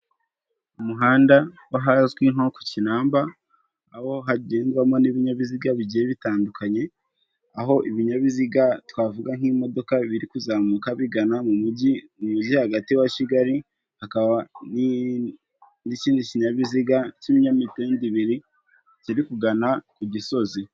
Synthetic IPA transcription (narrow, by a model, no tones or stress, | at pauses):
umuɦaːndawaɦazwinhoko̥cinaːmbaː | ho̞ɦaɟeːndwamo̞niβiɲaβiziɡaβiɟijeβitaːndukaɲe̞ | aɦo̞ʔiβiɲaβiziɡatwaːvuɡaŋ̥himo̞do̞kaβiɾikuzamukaβiɡanamumuɟimumuɟihaɡatiwaciɡaɾi | hakaβani | niciːndiciɲaβiziɡaciβiɲamiteːndiβiɾi | ciɾikuɡanakuɟiso̞zi